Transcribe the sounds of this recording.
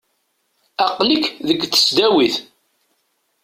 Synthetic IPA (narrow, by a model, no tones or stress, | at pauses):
ɑqlikðəɡ̪ə̥sd̪æwiθ